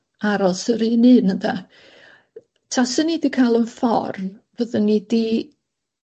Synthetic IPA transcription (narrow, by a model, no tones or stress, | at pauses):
aɾɔsəɾinɨnənda | tʰasənidikʰalˠənfɔ̰rnvəðənːidi